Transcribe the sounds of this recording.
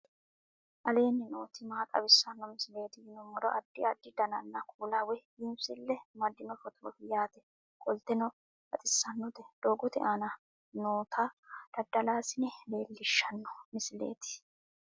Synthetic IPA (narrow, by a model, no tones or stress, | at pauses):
ʔɐle̞ːnːɪnoːt̪ɪmaːk̪ʼɐ̰bɪsːɐnːɔmɪsɪle̞ːt̪ɪjɪnɔmɔɾɔʔɐd̪ːɪɐd̪ːɪd̪ɐnɐnːɐkʰuːlawɛjɪmsɪlːɛmɐd̪ːɪnɔfɔt̪ɾɔfɪjaːt̪ɛ | kʼɔlt̪ɛnɔ | ɐt̪ʼɪsːɐnːɔd̪ɛd̪̥oːɡɔt̪ɪ̰ʔanɐ | noːt̪ʰad̪̥ɐd̪ːɐlaːsɪnɛbe̞ːlːɪʃːɐnːɔ̥mɪsɪle̞̰ːt̪ɪ̥